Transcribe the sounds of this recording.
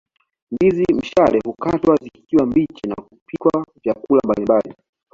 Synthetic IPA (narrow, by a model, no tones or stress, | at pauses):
mbizim̩ʃalɛhukatwazikiwambit͡ʃina̰kupʰikwavjakulambalimbali